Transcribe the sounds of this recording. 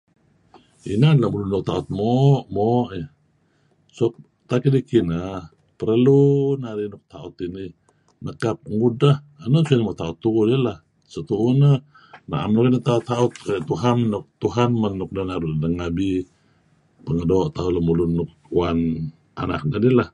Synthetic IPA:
ḭnanlamulunːuk̚t̪aut̪̚moʔmoʔi | sop̚ | t̪akidikinə | pəɾəlunaɾinuk̚t̪aut̪ini | nəkap̚ŋudah | anosuinimot̪aʊt̪ːuudilah | sət̪uʔunə | na̰ʔa̰mnukinit̪aut̪ːaut̪̚kʔt̪uɦannuk̚t̪uɦanmanːuk̚danaɾudəŋabi | pəŋədoːʔt̪aulamulunːuk̚uan | a̰na̰k̚nədilah

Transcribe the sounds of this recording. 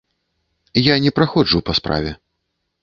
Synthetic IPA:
janʲɛpɾaxɔd͡ʐupaspɾa̰vʲɛ

